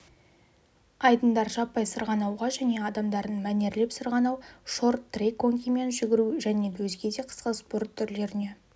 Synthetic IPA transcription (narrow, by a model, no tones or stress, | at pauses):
ɑjd̪ənd̪ɑɾʒɑpːɑjsəɾʁɑnɑwʁɑʒæne̞ɑd̪ɑmd̪ɑɾd̪ənmæne̞ɾle̞psəɾʁɑnɑwʃo̞rt̪ːrekʰːoŋkʲime̞nʒʏɡʲɪɾuʒæne̞wɵzɡʲe̞d̪e̞qʰə̥sqəspo̞rt̪ʰːʏɾle̞ɾɪne̞